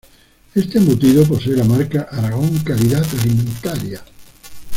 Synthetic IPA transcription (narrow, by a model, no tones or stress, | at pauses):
est̪emot̪iβop̬oseelamaɾkaʔaɾaɣoŋkaliðatalimẽnt̪aɾja